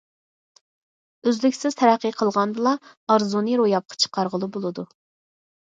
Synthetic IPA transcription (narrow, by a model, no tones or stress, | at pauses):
øzlykʲsɪz̥t̪ʰɛɾæqːəqʰəlˠʁɑnd̪ɨlˠɑɑɾzunɨɾojɑp̚qʰɑ̥t͡ʃʰə̥qʰɑɾʁəlˠɨbolˠɨd̪u